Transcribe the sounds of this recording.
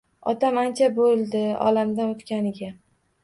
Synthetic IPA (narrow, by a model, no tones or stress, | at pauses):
ɒt̪ʰamant͡ʃʰabolˠd̪ɪɒ̰lamd̪anot̪kʲanɪɡʲa